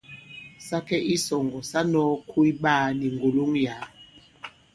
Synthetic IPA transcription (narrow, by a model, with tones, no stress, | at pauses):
sa˦kɛ˦ʔi˦sɔ˨ŋɡɔ˨sa˦nɔ˦kʰu˦i˦ɓa˦˨ni˨ŋɡo˨lo˦ŋja˨˦